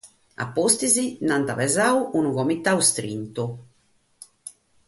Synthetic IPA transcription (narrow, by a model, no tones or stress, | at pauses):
a̰pːost̪izinant̪aβɛzauʔunuɣɔmit̪ːaust̪ɾḭnt̪u